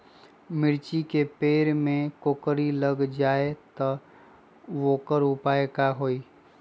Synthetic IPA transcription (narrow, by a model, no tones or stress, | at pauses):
mɪɾt͡ʃikepeːɾmẽkoːkɾiləɡd͡ʒaːet̪ɔ | ʋoːkəɾʊpaːekaɦoːiː